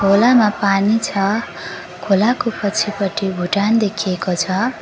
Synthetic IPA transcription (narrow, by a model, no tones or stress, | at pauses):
ɡʱolamapanit͡sʰʌ | kʰolakopʌt͡sʰipʌʈibʱuʈand̪ekʰijekot͡sʰʌ